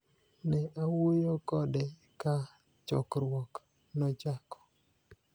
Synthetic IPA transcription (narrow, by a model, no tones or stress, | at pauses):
nɛʔawojokɔdɛ | ka | t͡ʃɔ̰kɾwɔk | nɔd͡ʒakɔ̥